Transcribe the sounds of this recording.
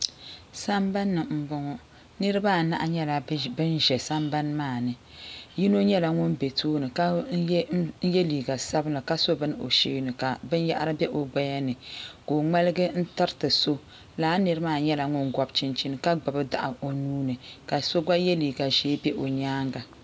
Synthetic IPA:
sa˦mba˦nːɨ˨m̩˨bɔ˦ŋɔ˦ | nɨ˦ɾɨ˦baː˦˨na̰˦ʔa˦ɲɛ˦la˨bɨ˦nʒɛ˨sa˦mba˦nmaː˦˨nɨ˨ | ji˦no˦ɲɛ˦la˨ŋʊ˦nbe˨tʰoː˦nɨ˨ka˦ | jɛ˦liː˨ɡa˨sa˦bɨ˦la˨ka˦so˦bɨ˦n˦o̰˨ʃeː˦nɨ˨ka˨bɨ˦n˦ja˦ʔa˦ɾɨ˦bʲɛ˦ʔo˨ɡ͡ba˦ja˦nɨ˨ko˨ŋ͡mɛ˦lɨ˦ɡɨ˦n̩˦tɨ˦ɾtɨ˨so˦ | laː˦nɨ˦ɾɨ˦maː˦˨ɲɛ˦la˨ŋʊ˦nɡɔ˨bt͡ʃɪ˦nt͡ʃi˦nɨ˦ka˦ɡ͡ba˨bɨ˦da̰˨ʔa˨o˨nuː˦nɨ˨ka˨so˦ɡ͡ba˦jɛ˦liː˨ɡa˨ʒeː˦bɛ˦ʔo˨ɲaː˦ŋɡa˨

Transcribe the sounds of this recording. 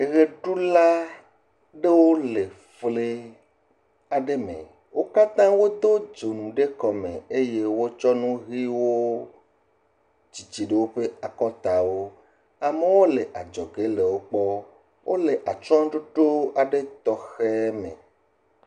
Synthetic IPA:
e˨ɣe˨ɖu˦la˦ | ɖe˦wo˦le˨ | fle˦ | a˨ɖe˦mḛ̃˨ | wo˦ka˦t̪ã˦wo˦d̪o˦d͡ʒo˨nũ˨ɖe˦kɔ˨mḛ̃˨e˦je˦wo˦t͡ʃɔ˦nũ˦ɣi˦wo˦ | d͡ʑi˨t͡ɕi˨ɖe˦wo˦ɸe˦a˨kɔ˦t̪a˨wo˦ | a˨me˦wo˦le˨ʔa˨d͡ʒɔ˨ɡe˦le˨wo˦k͡pɔ˦ | wʔo˦le˨ʔa˨t͡ʃɔ̃˦ɖo˦ɖo˦a˨ɖe˦t̪ɔ˦xe˦mḛ̃˨

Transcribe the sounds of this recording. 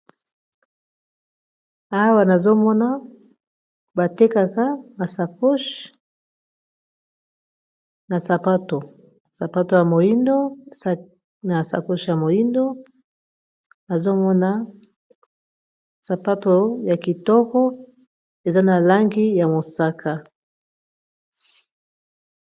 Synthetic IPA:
a˦wa˨na˨zo˦mɔ˦na˦ | ba˨te˦ka˨ka˦ma˨sa˨ko˦ʃ | na˨sa˨pa˦to˨ | sa˨pa˦to˦ja˨mo˨ji˦ndo˦ | na˨sa̰˨ko˦ʃja˨mo˨ji˦ndo˦ | na˨zo˦mɔ˦na˦ | sa˨pa˦to˨ja˨ki˨tɔ˦kɔ˦ | e˨za˦na˨la˦ŋɡi˦ja˨mo˨sa˦ka˦

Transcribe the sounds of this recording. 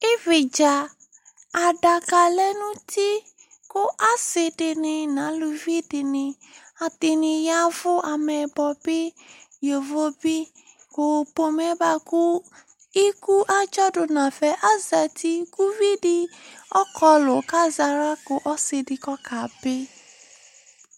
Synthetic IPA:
ɪ˦vi˨d͡ʒa˨ | a˨da˨ka˧lɛ˦nũ˦tʰi˦ | ko˦ʔa˦se˧dɪ˧nĩ˧nã˨˦lu˧vi˦di˧nĩ˧ | a˧ti˧nĩ˧ja˦vʊ˦a˧mɛ˧bɔ˧bi˦jo˨vo˦bi˦ | ko˨po˧mɛ˨˦ba˧ku˦ | i˦ku˦ʔa˦d͡ʒɔ˦dʊ˧nã˨fɛ˨˦ʔa˦za˨ti˦ku˦vi˦di˧ɔ˦kɔ˧lo˨ka˦za˧ɾa˦ko˧ʔɔ˦se˧di˧kɔ˦ka˨be˦

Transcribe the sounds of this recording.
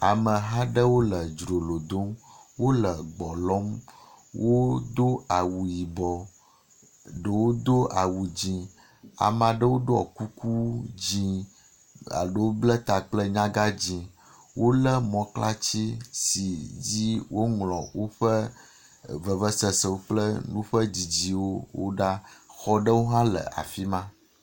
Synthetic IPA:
a˨mə̃˨ɦa˦ɖə˦wo˦lə˨d͡ʒɾo˨lo˨d̪o˦mwo˦lə˨ɡ͡bɔ˨lɔ˦m | wʔo˦d̪o˦a˨wu˨ji˨bɔ˨ | ɖə˨wo˦d̪o˦ʔa˨wu˨d͡ʑĩ˨ | a̰˨m˨a˨ɖə˦wo˦ɖo˦ɔ̰˨ku˦ku˦d͡ʑĩ˦ | a̰˨ɖo˦wo˦blə˦t̪a˨k͡plə˦ɲã˦ɡa˦d͡ʑĩ˨ | wʔo˦lə˦mɔ̃˨kla˦t͡ɕi˦si˨d͡ʑi˦wo˦ŋlɔ̃˨wo˦ɸə˦ | və˨və˦sə˨sə˨wo˦k͡plə˦nũ˦ɸə˦d͡ʑi˨d͡ʑi˨wo˦wo̰˦ɖa˦xɔ˦ɖə˦wo˦ɦã˦lə̰˨ʔa̰˨fi˦mã˦

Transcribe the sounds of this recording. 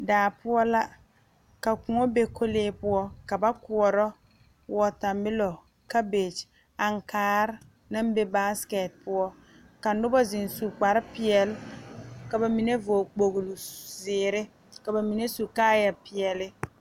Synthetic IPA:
daː˨pʊ˦ɔ˦la˦ | ka˨kʊ˨ŋɔ˦be˦kʰo˦leː˦pʊ˦ɔ˦ka˨ba˦kʊ˨ɔ˨ɾɔ˦ | wɔ˨ta˨mɪ˦lɔ˨ | ka˦be˨t͡ʃ | a˨ŋ˨kaː˦ɾ | na˦m˦be˦ba˦skɛ˨t̚pʊ˦ɔ˦ | ka˨nʊ˦bɔ˦zɪ˨nsu˨k͡pa˨ɾɪ˦pɪ˦ɛ˨lka˨ba˨mi˨ne˦vo˨k͡po˨ɣlu˨zɪː˨ɾɪ˦ | ka˨ba˨mi˨ne˦su˨kaː˦ja˨pɪ˨ɛ˨lɪ˦

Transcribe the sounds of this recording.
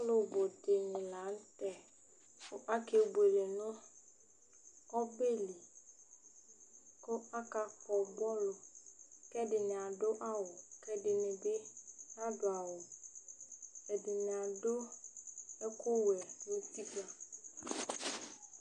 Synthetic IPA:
lʊ˨bʊ˨dɪ˨ɲɪ̃˨la˨˦n̩˦t̪ɛ˦ | kʊ˨ʔa˦ke˦bu˨e˨le˨nʊ̃˦ | kɔ˦be˦li˨ | ko˦a˦ka˨ɸɔ˨bɔ˦lo˨kɛ˦dɪ˨nɪ̃˨a˨ɖo˦ʔa˦wʊ˨kɛ˦dɪ˨nɪ̃˨bɪ˦nã˦dʊ˨a˨wʊ˨ | ɛ˨dɪ˨nɪ̃˨a˨do˦ | ɛ˦kʊ˦wwɛ˨nũ˦ti˦ba˨

